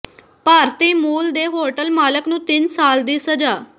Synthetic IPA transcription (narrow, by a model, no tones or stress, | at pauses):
paːɾt̪iːmuːld̪eɦoʈəlmaːləknũːt̪insaːld̪iːsəd͡ʒaː